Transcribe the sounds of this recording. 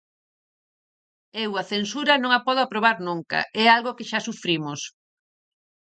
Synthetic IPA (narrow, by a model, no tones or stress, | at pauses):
ewɐθensuɾɐnõŋapɔð̞oapɾoβ̞aɾnũŋkɐ̰ʔɛalɣokɪʃasufɾimos